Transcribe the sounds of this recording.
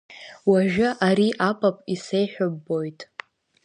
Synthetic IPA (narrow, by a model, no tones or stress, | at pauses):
waʒᶣʊʔaɾiʔapʼapʼise̞jħʷᶣʊbːo̞jtʼ